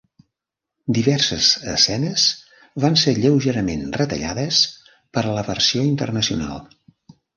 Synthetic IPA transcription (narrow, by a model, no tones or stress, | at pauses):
d̪iβɛrsəzəsɛnəz | βanseʎəwʒəɾəmenrət̪ə̰ʎaðəs | pəɾləβərsioint̪ərnəsiuna̰lˠ